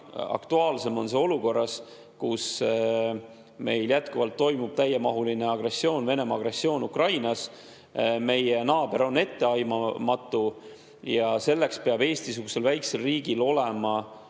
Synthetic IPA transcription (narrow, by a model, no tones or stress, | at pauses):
ɑ̰kt̪uɑːlse̞mo̞nseo̞luko̞rːɑs | kus | me̞jljæt̪kuvɑlt̪ːo̞jmub̥̚t̪æjemɑɦulineɑɡre̞sːio̞ːnve̞ne̞mɑɑɡ̥re̞sːio̞ːnukrɑjnɑs | me̞jenɑːb̥e̞ɾo̞nːe̞t̪ːe̞ɑjmɑmɑt̪ːˑu | jɑse̞lːe̞kspe̞ɑb̥e̞ːst̪isuɡ̥use̞lvæjkse̞lriːɡ̥ilo̞le̞mɑ